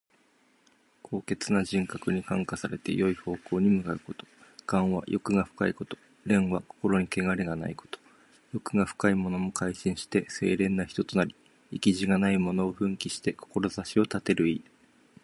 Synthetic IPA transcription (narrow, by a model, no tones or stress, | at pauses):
kʰo̞ːke̞t͡sɨnaʑĩŋkakɯ̟ɲ̟ikãŋkasaɾe̞t̪e̞̰jo̞iho̞ːko̞ːɲ̟imɯ̟kaɯ̟ko̞t̪o̞̥ɡ̥ãɰ̃βa̰jo̞kɯ̟ɡaɸɯ̟̥kaiko̞t̪o̞̥ | ɾẽ̞ɰ̃βako̞̥ko̞ɾo̞ɲ̟ike̞ɡaɾe̞ɡana̰iko̥t̪o̥ | jo̞kɯ̟ɡaɸɯ̟̥kaimo̞no̞mo̞kʰaiɕĩɰ̃ɕi̥t̪e̞se̞̰ːɾẽ̞nːaçi̥t̪ot̪o̞naɾʲi | ikʲiʑiɡanaimo̞no̞ːɸɯ̟̃ŋkʲiɕi̥t̪e̞ko̥ko̞ɾo̞zaɕio̞t̪at̪e̞ɾɯ̟iː